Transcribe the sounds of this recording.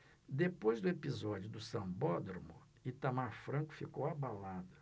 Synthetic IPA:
d̪epojzd̪ʊepizɔd͡ʒʊd̪ʊsɐ̃bɔd̪ɾomʊ | it̪amaɾfɾɐ̃ŋkʊ̥fikowabalad̪ɐ

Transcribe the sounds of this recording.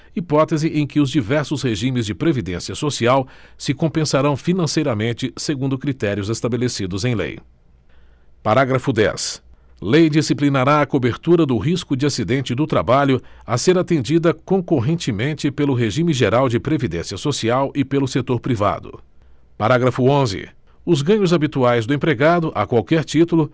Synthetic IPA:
ipɔt̪ezɪʔẽj̃kɪʊzd͡ʒivɛɾsʊsheʒĩmɪzd͡ʒɪpɾevid̪ẽsiɐsosiawsɪkõpẽsaɾɐ̃w̃finɐ̃sejɾɐmẽnt͡ʃɪseɡũnd̪ʊkɾit̪ɛɾiʊzest̪abelesid̪ʊzẽj̃lḛj | paɾaɡɾɐfʊd̪ɛ̰s | lejd͡ʒisiplinaɾaɐkobeɾt̪uɾɐd̪ʊɦiskʊd͡ʒɪasid̪ẽnt͡ʃɪd̪ʊt̪ɾa̰baʎʊaseɾat̪ẽnd͡ʒid̪ɐkõkoɦẽnt͡ʃɪmẽnt͡ʃɪpelʊɦeʒĩmɪʒeɾawd͡ʒɪpɾevid̪ẽsiɐsosiawʔɪpelʊset̪oɾpɾiva̰d̪ʊ̰ | paɾaɡɾɐfʊõzɪ̰ | ʊzɡɐ̃ɲʊzabit̪uajzd̪ʊẽpɾeɡad̪ʊʔakwawkɛɾt͡ʃit̪ulʊ

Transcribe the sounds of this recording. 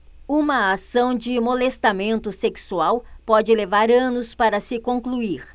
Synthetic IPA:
ũmɐasɐ̃w̃d͡ʒɪmolest̪amẽnt̪ʊseksuawpɔd͡ʒɪlevaɾɐ̃nʊspaɾɐsɪkõŋkluiɾ

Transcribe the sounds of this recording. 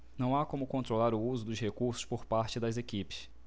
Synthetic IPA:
nɐ̃w̃akõmʊkõnt̪ɾolaɾʊuzʊd̪ʊʃhekuɾsʊ̥ʃpoɾpaɾt͡ʃɪd̪ɐzekipɪ̥s

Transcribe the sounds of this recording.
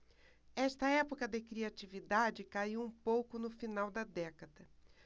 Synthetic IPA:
ɛst̪ɐɛpokɐd̪ekɾiat͡ʃivid̪ad͡ʒɪkaiwũpowkʊnʊfinawd̪ɐd̪ɛkɐd̪ɐ

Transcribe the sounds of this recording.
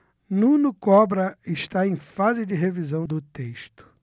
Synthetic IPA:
nũnʊkɔbɾɐɪʃt̪aẽj̃fazɪd͡ʒɪɦevizɐ̃w̃d̪ʊt̪eʃt̪ʊ̥

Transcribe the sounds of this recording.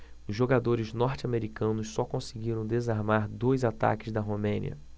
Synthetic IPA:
ʊzʒːoɡad̪oɾɪznɔɾt͡ʃɪameɾikɐ̃nʊssɔkõsɪɡiɾɐ̃w̃d̪ezaɾmaɾd̪ojzat̪a̰kɪzd̪ɐɦomẽnḭɐ̰

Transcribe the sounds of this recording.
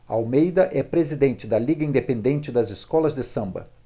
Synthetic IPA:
ɐawmejd̪ɐʔɛpɾezid̪ẽnt͡ʃɪd̪ɐliɡɐĩnd̪epẽnd̪ẽnt͡ʃɪd̪ɐzɪskɔlɐzd̪ɪsɐ̃mbɐ̰

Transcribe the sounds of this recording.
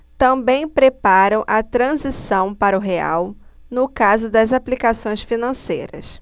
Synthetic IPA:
t̪ɐ̃bẽj̃pɾepaɾɐ̃w̃ʔɐt̪ɾɐ̃zisɐ̃w̃paɾɐʊɦea̰w | nʊkazʊd̪ɐzaplikasõj̃sfinɐ̃sḛjɾɐ̰s

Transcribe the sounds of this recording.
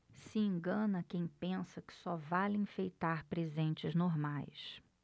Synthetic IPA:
sɪẽɡɐ̃nɐkẽj̃pẽsɐkɪ̥sɔvalẽfejt̪aɾpɾezẽnt͡ʃɪznoɾmajs

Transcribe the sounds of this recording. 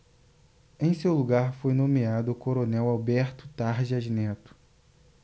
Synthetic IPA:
ẽj̃sewluɡaɾfojnõmiad̪ʊːkoɾonɛwawbɛɾt̪ʊ̥t̪aɾʒɐʒnɛt̪ʊ̥

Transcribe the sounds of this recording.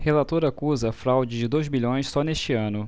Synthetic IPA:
helat̪oɾɐːkuzɐːfɾawd͡ʒɪd͡ʒɪd̪ojzbiʎõj̃ssɔneʃt͡ʃɪɐ̃nʊ

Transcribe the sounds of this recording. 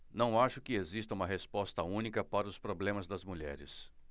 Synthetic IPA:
nɐ̃w̃aʃʊkɪezist̪ɐũmɐɦespɔst̪ɐũnikɐpaɾɐʊspɾoblẽmɐzd̪ɐzmuʎɛ̰ɾɪ̰s

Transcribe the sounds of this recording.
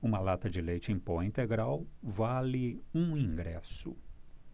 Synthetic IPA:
ũmɐlat̪ɐd͡ʒɪlejt͡ʃɪẽpɔĩnt̪eɡɾawvalɪũĩŋɡɾɛsʊ̰

